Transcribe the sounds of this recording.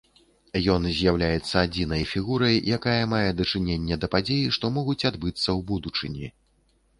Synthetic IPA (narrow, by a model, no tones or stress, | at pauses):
jɔnzʲjawlʲajɛt̪sːɐad͡zʲinɐjfʲiɣuɾɐjjakajɐmajɛd̪ɐt͡ʂɨnʲenʲːɐd̪ɐpad͡zʲejiʂt̪ɔmɔɣut͡sʲad̪bɨt̪sːɐwbud̪ut͡ʂɨnʲi